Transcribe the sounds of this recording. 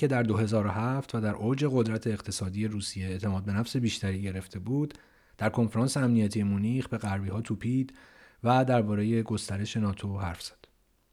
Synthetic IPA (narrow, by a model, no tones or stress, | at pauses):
cʰe̞d̪æɾd̪o̞ɦe̞zɒːɾohæft̪væd̪æɾʔoːd͡ʒe̞ɣo̞d̪ɾæt̪ʰe̞ːqt̪ʰe̞sɒːd̪ije̞ɾuːsije̞ːʔt̪ʰe̞mɒːd̪̚be̞næfse̞biːʃt̪æɾiːɟe̞ɾe̞ft̪ʰe̞buːd̪ | d̪̥æɾkʰo̞nfeɾɒːnseæmnijæt̪ʰije̞monixbe̞ɣæɾbiːɦɒːt̪ʰuːpʰiːd̪ | væd̪æɾbɒːɾe̞je̞ɡo̞st̪æɾe̞ʃe̞nɒːt̪ʰo̞ɦæɾfz̥æ̥d̪̥